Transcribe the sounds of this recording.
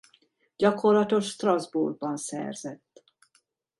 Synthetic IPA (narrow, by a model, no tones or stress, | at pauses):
ɟɒko̞rlɒt̪o̞ʃst̪rɒzburɡ̚bɒnsɛ̰rzɛt̪ː